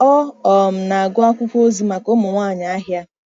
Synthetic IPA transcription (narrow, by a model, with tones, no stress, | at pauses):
ɔ˦ɔ˨m̩˨na˨ɡʊ˦a˦kʷʊ˦kʷo˦zi˨˦ma˨ko˦mʊ˨ŋʷa˦˨ɲa˨a˦ɦja˦